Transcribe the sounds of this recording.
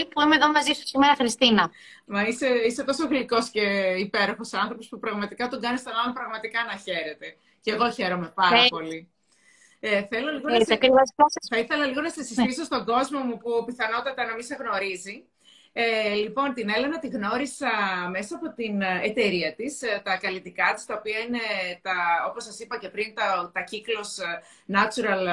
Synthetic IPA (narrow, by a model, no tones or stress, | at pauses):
puimeðomɐziso̥simeɾɐxɾist̪inɐ | mɐise̞ise̞t̪o̞so̞ɣliko̞sce̞ipe̞ɾo̞xo̞sɐnθɾo̞po̞spupɾɐɣmɐt̪ikɐt̪oɡɐnest̪onɐlompɾɐɣmɐt̪ikɐnɐçe̞ɾe̞t̪e̞ | ceɣo̞çe̞ɾo̞me̞pɐɐpo̞li | eθe̞loliɣoɐkɾivosɐsθɐiθe̞lɐliɣo̞nɐsɐsist̪iso̞st̪o̞ɡo̞zmo̞mupupiθɐno̞t̪ɐt̪ɐnɐmisɐɣno̞ɾizi | elipo̞nt̪ine̞le̞nɐt̪iɣno̞ɾisɐme̞sɐːpo̞t̪inet̪e̞ɾiɐt̪ist̪ɐkɐlit̪ikɐt̪i̥st̪ɐopiɐine̞t̪ɐo̞posːɐsipɐce̞pɾint̪ɐt̪ɐciklo̞s | nɐt͡ʃuɾɐl